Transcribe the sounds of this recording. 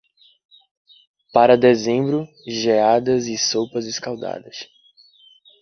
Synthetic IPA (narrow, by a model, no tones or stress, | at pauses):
paɾɐd̪ezẽmbɾʊ | ʒead̪ɐzɪsowpɐzɪskawd̪a̰d̪ɐs